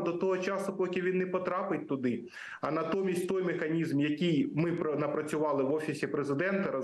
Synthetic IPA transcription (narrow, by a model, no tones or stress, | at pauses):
d̪ɔt̪ɔɦɔt͡ʃɑsʊpɔkʲɪʋʲinːɛpɔt̪ɾɑpɪt̚ʲt̪ʊd̪ɪ | ɐnɐt̪ɔmʲisʲtʲt̪ɔjmexɐnʲizmjɐkʲijmɪpnɐpɾɐt͡sʲʊʋɑlˠɪʋɔfʲisʲipɾezɪd̪ɛnt̪ɐɾɐ